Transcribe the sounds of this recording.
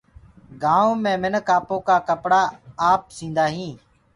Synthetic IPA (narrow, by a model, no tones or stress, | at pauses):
ɡaːõːmẽːmɪnkaːpõːkaːkəpɽaːaːp̚sĩːnd̪aːɦĩː